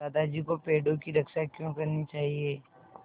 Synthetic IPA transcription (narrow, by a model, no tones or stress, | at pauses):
aːd̪ad͡ʒikopeːɖõkiɾɐkʃakjõkɐɾnit͡ʃaːɦieː